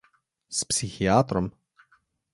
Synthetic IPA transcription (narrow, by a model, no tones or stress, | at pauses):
spsixiaːt̪ɾɔm